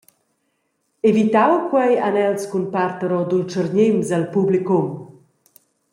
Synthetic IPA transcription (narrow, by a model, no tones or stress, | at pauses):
evit̪awkwɛjanɛlskunpart̪əɾɔd̪ult͡ʃəɾɲɪmzəlpublikum